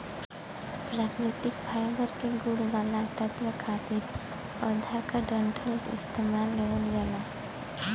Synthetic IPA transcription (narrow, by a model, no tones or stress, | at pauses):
pɾaːkɾɪt̪ɪkpʰaːjbəɾkeɡʊɽʋaːlat̪ət̪ɾəkʰaːt̪ɪɾ | əd̪ʱakaɖəɳʈʰəlt̪ɪ̰st̪emaːlːeʋəld͡ʒala